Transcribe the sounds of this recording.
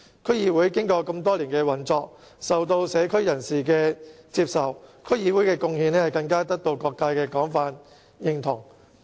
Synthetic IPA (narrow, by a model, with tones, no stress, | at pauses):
kʰɵ˥ɥjiː˧wuː˨˥jkɪ˥ŋkɔː˧kɐ˧mt̪ɔː˥liː˨˩nkɛː˧wɐ˨˩nt͡sɔː˧k̚ | sɐ˨wt̪o˧wsɛː˨˧kʰɵ˥ɥjɐ˨˩nsiː˨˩kɛː˧t͡siː˧p̚sɐ˨wkʰɵ˥ɥjiː˧wu˨˥jkɛː˧kʊ˧ŋhiː˨˧nɛː˥hɐ˨jkɐ˧ŋkaː˥t̪ɐ˥k̚t̪o˧wkɔː˧kːaː˧jkɛː˧kɔː˨˥ŋfaː˧n | jɪ˨˧ŋt̪ʰʊ˨˩ŋ